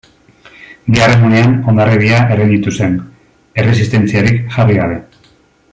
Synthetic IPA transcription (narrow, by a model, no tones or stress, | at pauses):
biare̞nuneano̞nd̪areβiae̞ɾind̪it̪use̞n | e̞re̞s̬ist̪e̞nt͡siaɾikʝariɣaβe̞